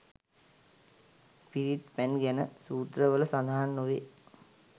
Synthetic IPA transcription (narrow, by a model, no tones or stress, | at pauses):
piɾit̪pænɡænəsuːt̪rəʋələsand̪ʱaɦanːoʋe